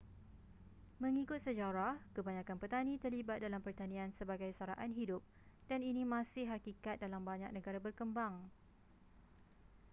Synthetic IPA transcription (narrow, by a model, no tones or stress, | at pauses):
mə̃ŋikʊt̪̚səd͡ʒaɾahkəbaɲãkanpət̪anĩt̪ərlibat̪̚dalampərt̪anĩansəbaɡajsaɾaʔanɦidʊp̚ | d̥aninimãsɪhɦakikat̪̚dalambaɲak̚nə̃ɡaɾabərkəmbaŋ